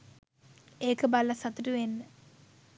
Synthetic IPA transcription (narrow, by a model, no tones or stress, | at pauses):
eːkɐbɐlɐsɐt̪uʈuʋenːə